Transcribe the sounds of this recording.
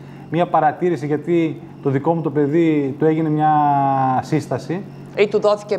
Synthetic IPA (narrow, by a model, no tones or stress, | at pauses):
mɲɐpɐɾɐt̪iɾisiʝɐt̪i | t̪o̞ðiko̞mut̪o̞pe̞ðit̪ue̞ʝine̞mɲɐ | sist̪ɐsi | it̪uðoθi̥ce